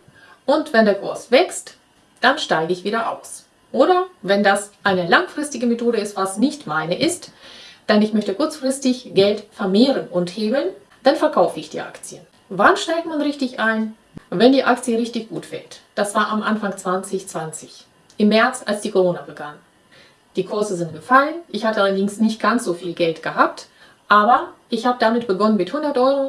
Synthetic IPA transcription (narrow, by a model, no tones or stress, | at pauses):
ʔʊntv̥ɛndeːɐkʰʊɐsv̥ɛkst | d̥anʃtaɪɡəɪçv̥iːdɐʔa̰ʊs | ʔoːɾɐvɛndasʔaɪnəlaŋfʁ̥ɪstɪɡəmetʰoːɾəɪstv̥asnɪçtmaɪnəʔɪstd̥anɪçmœçtəkʰʊɐt͡sfʁ̥ɪstɪçɡ̥ɛltfɛɐmeːʁ̞ənʔʊntheːbl̩n | d̥anfɛɐkʰaʊfəɪçd̥ḭːʔa̰kt͡siən | vanʃtaɪk̚tmanʁɪçtɪçʔaɪn | vɛndiːʔak̚t͡sjəʁɪçtɪçɡ̥uːtfɛtd̥asv̥aːɐʔamʔanfaŋt͡sv̥ant͡sɪçt͡sv̥ant͡sɪç | ʔɪmːɛɐt͡sa̰lsd̥iːkʰoʁoːnabəɡanən | d̥iːkʰʊɐzəzɪnt̚ɡ̥əfalənʔɪçhatəʔalɐdɪŋsnɪçt̚ɡ̥ant͡sz̥oːfiːlɡɛltɡ̥əɦaːp̚t | ʔaːbɐʔɪçhaːbədamɪtb̥əɡɔnənmɪthʊndɐtʔɔʏʁo